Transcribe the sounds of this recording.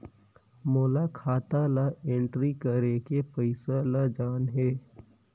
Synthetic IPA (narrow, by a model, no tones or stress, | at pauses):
moːlakʰaːt̪alaẽɳʈɾikəɾekepəɪsalad͡ʒaːnɦeː